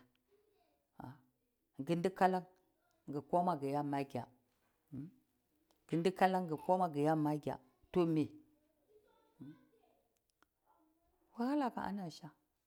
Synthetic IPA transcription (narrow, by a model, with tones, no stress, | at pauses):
a̰˨ | ɡə˦ndi˦ka˦la˦ŋ | ɡə˨ko˦ma˨ɡə˨ja˦ma˦ɡʲa˨˦ | ɡ̥ə˨ndi˦ka˦la˦ŋɡə˨ko˦ma˦ɡə˨ja˦˨ma˦ɡʲa̰˨ | to˦me˨ | wa˦ha˦la˨ka̰˨ʔa̰˦na˨ʃa˦